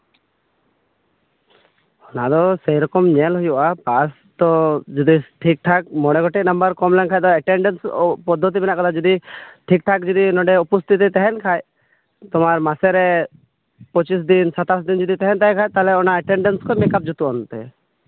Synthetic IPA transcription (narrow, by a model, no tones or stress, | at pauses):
ɔnad̪ɔsejɾɔkɔmɲɛlɦujuʔapas | t̪ɔd͡ʒɔd̪iʈʰik̚ʈʰak̚mɔɽ̃ɛɡɔʈɛk̚nɔmbəɾkɔmlɛŋkʰajd̪ɔɛʈɛɳɖɛnspɔd̪ʱːɔt̪̬ibɛnaʔkɔt̪ʰad͡ʒɔd̪iʈʰik̚ʈʰakd͡ʒɔd̪inɔɖɛupɔst̪it̪ɛt̪ɛɦɛnkʰaj | t̪ɔmaɾmasɛɾɛ | pɔt͡ʃis̬d̪insat̪asd̪ind͡ʒɔd̪it̪ɛɦɛnt̪ajkʰajt̪alɛɔnaɛʈɛɳɖɛnskɔmɛkap̚d͡ʒut̪uɔnt̪ɛ̰